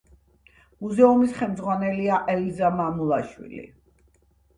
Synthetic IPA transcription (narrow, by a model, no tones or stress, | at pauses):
muzɛumisχɛlmd̪zʁwanɛliaʔɛlizamamulˠaʃwḭlḭ